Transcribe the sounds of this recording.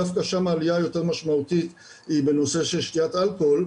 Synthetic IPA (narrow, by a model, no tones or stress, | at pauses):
afkaʃamaːlijajo̞te̞ʁmaʃmaut̪it̪ | ibe̞no̞se̞ʃe̞lʃt̪iat̪alko̞l